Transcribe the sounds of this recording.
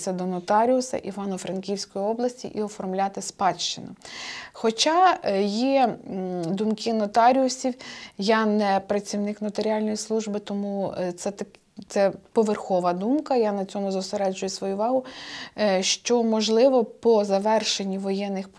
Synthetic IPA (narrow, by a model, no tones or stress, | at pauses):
sʲɐd̪ɔnɔt̪ɑɾʲiʊsɐ̰ʔiʋɑnɔfɾɐnkʲiwsʲkɔjiɔblˠɐsʲtʲḭʔiɔfɔrmlʲɑt̪ɪspɑʃt͡ʃɪnʊxɔt͡ʃɑji | d̪umkɪnɔt̪ɑɾʲiʊsʲiwjɑnɛpɾɐt͡sʲiwnɪknɔt̪eɾʲiɑlʲnɔjislˠuʒbɪt̪ɔmut̪sɛt̪ɐ | t̪sɛpɔʋerxɔʋɐd̪umkɐjanɐt͡sʲɔmʊzʊseɾɛd͡ʒʊjɛsʋɔjuʋɑɦʊ | ʃt͡ʃɔmɔʒlˠɪʋɔpɔzɐʋɛrʃe̞nʲːiʋɔjɛnːɪxp